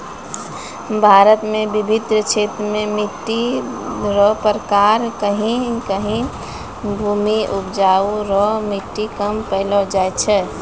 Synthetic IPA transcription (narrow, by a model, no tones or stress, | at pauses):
bʱaːɾət̪mẽbibʱid̪ɾət͡ʃʰeːt̪ɾəmẽmiʈːi | ɾɔpəɾəkaɾkəɦĩkəɦĩ | bʱuːmiʔupd͡ʒauɾɔmiʈːikəmpəɪlɔd͡ʒajt͡ʃʰɛː